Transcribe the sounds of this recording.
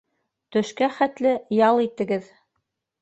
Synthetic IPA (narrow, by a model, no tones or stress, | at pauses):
t̪ɵ̆ʃkæχæt̪lɘjɑlˠit̪ɘ̆ɡɘð